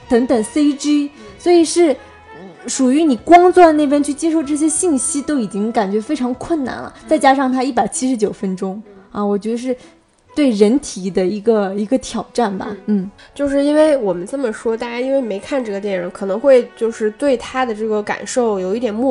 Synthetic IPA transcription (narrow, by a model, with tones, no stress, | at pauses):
t̪ə˧˥ŋt̪ə˨˩ŋse˥ɪʈ͡ʂi˥swɔ˧˥i˨˩ʂɻ̩˥˩ | n̩˥˩ʂu˨˩y˧˥ni˨˩kʊ˥ŋt͡swɔ˥˧ne˥˩ɪfə˥nt͡ɕʰy˥˩t͡ɕjɛ˥ʂ̬o˥˧ʊʈ͡ʂɤ˥˩ɕ̬jɛ˥ɕi˥˩ŋɕi˥t̪o˥ʊi˨˩t͡ɕi˥ŋka˨˩nt͡ɕɥɛ˧˥fe˥ɪʈ͡ʂʰɑ˧˥ŋkʰwə˥˩nna̰˨˩nlə̰˩t͡sa˥˩ɪt͡ɕja˥ʂɑ˥˩ŋt̪ʰa˥i˥˩pa˨˩ɪt͡ɕʰi˥ʂɻ̩˧˥t͡ɕjo˨˩ʊfə˥nʈ͡ʂʊ˥ŋɐ˧wɔ˨˩t͡ɕɥɛ˧˥d̪ə˧ʂ̬ɻ̩˥˧ | t̪we˥˩ɪɻə˧˥nt̪ʰi˨˩d̪ə˦i˧˥ɡə˧i˧˥ɡə˧t̪ʰjɑ˨˩ʊʈ͡ʂa˥˩nbɐ̰˩n̩˥˩t͡ɕjo˥˧ʊʂ̬ɻ̩˥˩i˥nwe˥˩ɪwɔ˨˩mə˦nt͡sə˥˩mə˩ʂwɔ˥t̪a˥˧t͡ɕa˥˩ni˥nwe˥˧ɪme˧˥ɪkʰa˥˧nʈ͡ʂɤ˥˩ɡə˩t̪jɛ˥˩nɻə˧˥nkʰɤ˨˩nɤ˧˥ŋxwe˥˧ɪt͡ɕjo˥˧ʊʂɻ̩˥˧t̪we˥˩ɪt̪ʰa˥d̪ə˨ʈ͡ʂɤ˥˩ɡə˩ka̰˨˩nʂo˥˩ʊjo˨˩ʊi˥˩t̪jɛ˨˩nmu˥˩